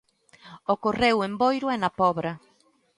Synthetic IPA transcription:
okorewembojɾʊɛnapɔβɾɐ

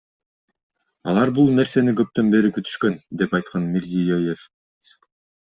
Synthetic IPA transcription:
ɑ̰lˠɑɾbulˠne̞ɾse̞nikø̞p̚t̪ø̞nbe̞ɾikyt̪y̥ʃkø̞nd̪e̞pɑjt̪̚qʰɑnmʲeɾzijojef

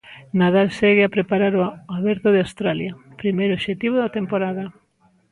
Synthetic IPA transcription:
naðalseɣɪapɾepaɾaɾoaβɛɾt̪oðeawst̪ɾaljɐpɾimejɾoʃet̪iβ̞oðɐt̪empoɾaðɐ

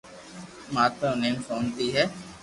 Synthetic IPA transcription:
maːt̪ənẽːnsoːnt̪iɦɛː

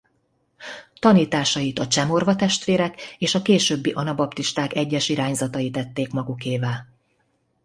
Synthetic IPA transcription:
t̪ɒniːt̪aːʃɒjit̪ɒt͡ʃɛmo̞rvɒt̪ɛʃt̪ʋeːɾɛkeːʃɒkeːʃøːbːiʔɒnɒbɒpt̪iʃt̪aːkɛɟːɛʃiɾaːɲzɒt̪ɒjit̪ɛt̪ːeːkmɒɡukeːvɛl

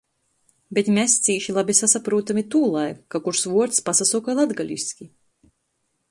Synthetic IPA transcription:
bʲet̪mʲɛst̪siːʃilˠabʲisasapɾuːt̪amʲit̪uːlˠajkakuɾsvuɔɾt̪spasasukajlˠad̪ɡalʲḭskʲi

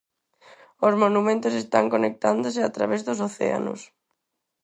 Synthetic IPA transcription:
osmonumẽnt̪osest̪aŋkonek̚t̪and̪oseat̪ɾa̰βezðosoθḛa̰no̰s

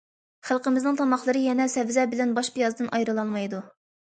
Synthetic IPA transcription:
χælˠqəmɪznɨŋt̪ʰɑmɑχlˠəɾɨjɛnɛsɛvzɛbɪlɛnbɑʃpʰijɑzd̪ɨnʔɑjɾɨlˠɑlˠmɑjd̪u

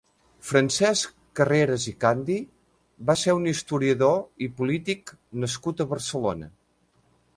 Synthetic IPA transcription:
fɾənsɛskkːəreɾəzikand̪i | baseɾunist̪uɾiəðoipulit̪ik | nəskut̪əβəɾsəlonə̰

